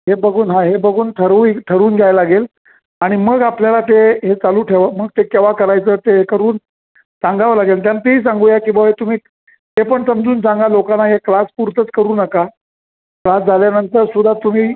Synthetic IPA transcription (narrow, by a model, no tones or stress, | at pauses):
ɦebəɡʱuːnɦãɦebəɡuːnt̪ʰəɾuːt̪ʰəɾuːnɡʱjajlaɡel | aɽ̃iməɡapljalat̪eɦet͡saluːʈʰeʋəməɡt̪ekeʋakəɾajt͡səːt̪eɦekəɾuːn | sãŋɡaʋalaɡelt̪̬janːat̪eɦiːs̬ãŋɡuːjakĩʋaet̪um̤iː | t̪epəɳsəmd͡zuːnsãŋɡalokanaɦeklaspuɾt̪ət͡skəɾuːnəka | klasd͡zʱaljanənt̪əɾsud̪ʱːat̪um̤iː